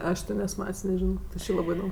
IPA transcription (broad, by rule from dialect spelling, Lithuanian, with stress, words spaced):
ˈɐʃ tʲɪ ˈnʲɛs ˈmɐtʲsʲ nʲɛˈʒʲɪnoː tʲɪ ˈt͡ʃʲɪ ˈlˠɑːbɜ ɪˈdoːm